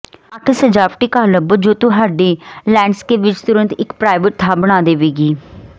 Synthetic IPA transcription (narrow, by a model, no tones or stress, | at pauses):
əkʰsəd͡ʒaːpʈiːkaːləbəd͡ʒoːt̪uɦaːɖeːlɛːɳɖskeːʋɪt͡ʃt̪ʊɾənt̪ɪkpɾaːɪʋəʈ̚t̪ʰaːbəɽ̃aːd̪eːʋeːɡiː